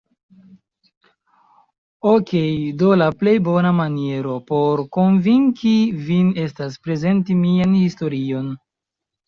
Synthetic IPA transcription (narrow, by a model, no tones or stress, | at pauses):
oke̞jdo̞laple̞jbo̞namanie̞ɾo̞po̞ɾko̞nviŋkivine̞staspɾe̞ze̞ntimianhisto̞ɾio̞n